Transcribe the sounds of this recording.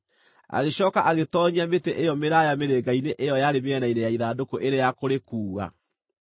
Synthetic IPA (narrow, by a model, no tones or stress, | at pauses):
a̰ɣeɕɔːkaʔaɣetɔːɲiameteʔejɔmeɾajameɾeːɡaineʔejɔjaɾemeɛnainejaiðaːdokoʔeɾejakoɾekuːɣa̰